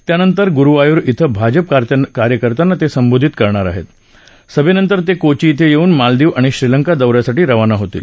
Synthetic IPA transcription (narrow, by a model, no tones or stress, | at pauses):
t̪janənt̪əɾɡuɾuʋajuɾit̪ʰəbʱad͡ʑəp̚kaɾkaɾjəkəɾt̪anːat̪esəmbod̪ʱit̪kəɾɳaɾa̰ɦḛt̪ | səbenənt̪əɾt̪ekot͡ɕiːt̪ʰejeuːnmald̪iːʋaɽ̃iɕɾiləŋkad̪əʋɾjasaʈiːɾəʋanaɦot̪ḭːl